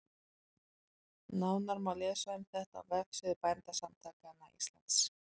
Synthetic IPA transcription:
nawnaɾmawlɛːsaʏmθɛht̪a̰vɛksɪðʏpajnt̪asamt̪ʰaːkaɛnːaḭst̪la̰nt̪s

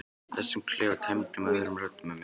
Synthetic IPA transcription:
θɛsːɪmkʰlɛːvat̪ʰajmt̪ɪmaɛɾʏmɾœt̪ːʏmam

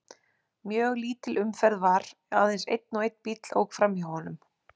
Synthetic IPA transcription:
mjœːɣliːt̪ɪlʔʏmfɛɾðvaɾ | aðejnsḛjt̪̚nɔwejt̪pit̪lo̰wkfɾamihɔnʏm

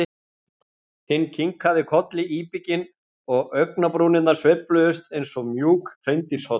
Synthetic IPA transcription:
hɪnːcʰiŋkhaðɪkʰɔt̪lɪʔiːpɪcɪn | ɔɣœɥknapɾuːnɪnaɾ̥svɛplœðʏst̪ejnsɔmjuːkrʰreɥnt̪iɾ̥sɔ

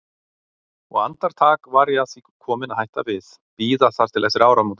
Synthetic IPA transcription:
ɔɣa̰nt̪aɾ̥t̪ʰaːkvaɾaθi | kʰɔːmɪnaðhajht̪avɪð | viːðaθaɾ̥t̪ʰɪlɛsːɪɾaːwɾamuːt̪ɪ̥

